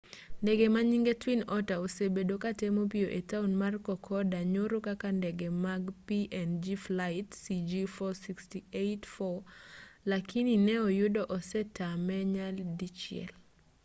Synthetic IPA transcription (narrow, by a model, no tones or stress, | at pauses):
ndɛɡemaɲiŋɡetwinɔtaosebedokatemopioʔetaunmarkɔkʰɔdaɲoɾokakandɛɡemaɡpiʔɛnd͡ʒiflaɪtsid͡ʒifɔsikstietfɔ | lakininɛɔjʊdɔʔɔsɛtʰamɛɲaldit͡ʃɪɛ̰l